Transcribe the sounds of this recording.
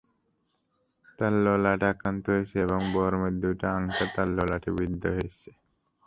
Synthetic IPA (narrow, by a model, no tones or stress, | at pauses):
t̪alːolaʈakɾant̪ɔɦojʃeeboŋbɔɾomed̪uʈaaŋtat̪alːolaʈʰebid̪ʱːoɦojʃe